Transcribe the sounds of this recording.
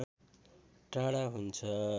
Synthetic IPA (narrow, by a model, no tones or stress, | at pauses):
ʈrãɽaɦunt͡sʰʌ